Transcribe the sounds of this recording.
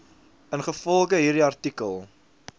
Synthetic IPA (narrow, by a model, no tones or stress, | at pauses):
ənχəfɔlˠχəɦiːɾdiɐrtikəlˠ